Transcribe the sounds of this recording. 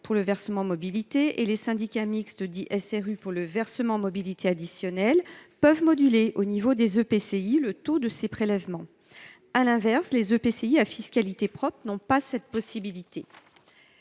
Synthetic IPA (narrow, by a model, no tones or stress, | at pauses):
puʁləvɛʁsəmɑ̃mɔbilit̪eʔelesɛ̃d̪ikʲamikst̪əd̪iʔɛsɛʁypuʁləvɛʁsəmɑ̃mɔbilit̪ʰead̪isjɔnɛlpœvmɔd̪yleʔonivod̪ezøpeseilət̪od̪əsepχelɛvmɑ̃ | alɛ̃vɛʁslezøpeseiafiskʲalit̪epχɔpχnɔ̃pasɛt̪̚pɔsibilit̪e